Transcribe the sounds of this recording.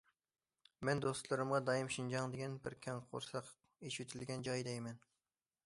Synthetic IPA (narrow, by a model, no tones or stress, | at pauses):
mɛnd̪ost̪lˠɨɾɨmʁɑd̪ɑjimʃind͡ʒɑŋd̪ɪɡʲɛnbɪɾkʲʰɛŋqʰo̰ɾsɑq | eʃyt̪ʰɪlɡʲɛnd͡ʒɑjd̪ɛjmɛn